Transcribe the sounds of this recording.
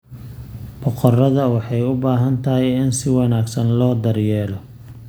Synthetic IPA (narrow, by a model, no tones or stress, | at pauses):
bɔqɔrɐðɐwɑħɑjʊbaːɦɐnt̪ʰɐɦɛjɪnsɪwɑnaːɡsɐnlɔːd̪ɐrjɛːlɔ